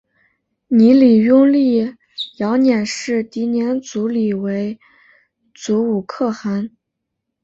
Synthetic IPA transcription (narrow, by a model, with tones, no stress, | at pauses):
ni˧˥li˨˩ɥʊ˥ŋli˥˩ | jɑ˧˥ʊnjɛ˨˩nʂɻ̩˥˩t̪i˧˥njɛ˧˥nt͡su˧˥li˨˩we˧˥ɪ | t͡su˧˥u˨˩kʰɤ˥˩xa˧˥n